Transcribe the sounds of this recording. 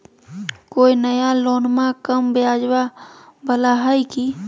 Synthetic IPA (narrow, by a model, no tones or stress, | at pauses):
koːinəjaloːnmakəmbjad͡ʒwabəlaɦəjki